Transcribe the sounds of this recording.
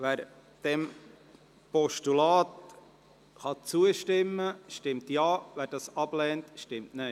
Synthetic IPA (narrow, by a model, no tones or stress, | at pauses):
ʋæːɾ | d̥ɛm | pɔʃtulɑːt | χɑt͡suəʃtɪmːəʃtɪmtjɑːʋæːɾdɑːsɑb̥lɛːntʃtɪmtne